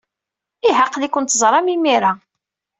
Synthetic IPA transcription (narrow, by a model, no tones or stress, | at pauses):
iɦəqːlikʷːənt̪zˤɾˤɑmimiɾa